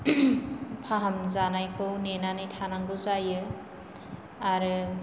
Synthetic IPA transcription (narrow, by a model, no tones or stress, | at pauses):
pʰaɦamzanajkʰɯwnenanɯjtʰanaŋɡɯwzajɯ | aɾɯ